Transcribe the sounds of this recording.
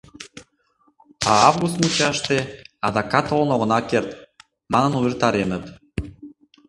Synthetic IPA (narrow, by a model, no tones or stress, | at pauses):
ɑɑvɣust̪mut͡ɕɑʃt̪eɑðɑkɑt̪olnoʁə̆nɑkert̪ | mɑnə̆nuβʲert̪ɑɾenət̪